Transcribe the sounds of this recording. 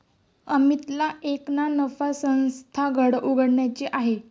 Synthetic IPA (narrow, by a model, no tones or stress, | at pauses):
əmit̪laʔeknanəfasə̃w̃st̪ʰaɡʱəɽuɡʱəɽɳjat͡ɕeʔaɦe